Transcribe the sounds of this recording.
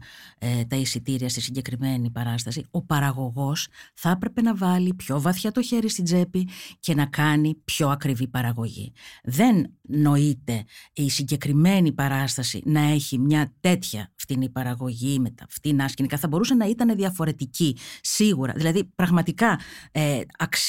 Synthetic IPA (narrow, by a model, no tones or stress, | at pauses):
t̪ɐisit̪iɾiɐst̪isiɲɟe̞kɾime̞nipɐɾɐst̪ɐsio̞pɐɾɐɣo̞ɣo̞sθɐepɾe̞pe̞nɐvɐlipço̞vɐθçɐt̪o̞çe̞ɾist̪id͡ze̞pice̞nɐkɐnipço̞ɐkɾivipɐɾɐɣo̞ʝḭðe̞nːo̞it̪e̞isiɲɟe̞kɾime̞nipɐɾɐst̪ɐsḭnɐe̞çimɲɐt̪e̞t̪çɐft̪inipɐɾɐɣo̞ʝimet̪ɐft̪inɐscinikɐθɐbo̞ɾusɐnɐit̪ɐne̞ðiɐfo̞ɾe̞t̪icisiɣuɾɐ̰ðilɐðipɾɐɣmɐt̪ikɐeɐk